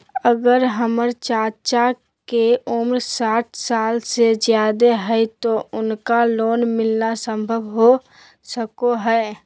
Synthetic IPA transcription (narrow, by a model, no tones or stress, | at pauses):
əɡəɾɦəməɾt͡ʃaːt͡ʃa | keʊmɾsaːʈʰsaːlsezjaːd̪eɦɛjt̪oʔʊnkaloːnmɪlnasə̃mbʱəʋɦo | səkoɦɛː